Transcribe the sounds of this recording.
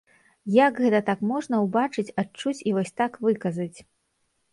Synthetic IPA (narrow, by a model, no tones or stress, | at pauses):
jaɡɣɛt̪ɐt̪akmɔʐn̪ɐwbat͡ʂɨt͡sʲat͡ʂut͡sʲivɔsʲt̪akvɨkɐzɐt͡sʲ